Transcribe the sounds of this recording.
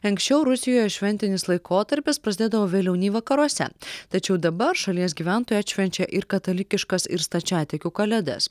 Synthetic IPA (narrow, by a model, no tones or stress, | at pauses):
ɐŋksʲt͡ʃʲɛʊɾʊsʲɪjoːjɛʃʲʋʲɛnʲt̪ʲɪnʲɪslˠɐɪkʰoːt̪ɐɾʲpʲɪspɾɐsʲd̪ʲeːd̪ɐʋoːʋʲeːlʲɛʊnʲiːʋɐkɐɾuɔsʲɛ̰t̪ɐt͡ʃʲɛʊd̪ɐbɐɾʃɐlʲiɛsɡʲiːʋʲæˑnt̪oːjuɐt̪ʃʲʋʲɛnʲt͡ʃʲɛʔɪɾkɐt̪ɐlʲɪkʲɪʃkɐsɪɾst̪ɐt͡ʃʲæːt̪ʲɛkʲuːkɐlʲɛd̪ɐ̰s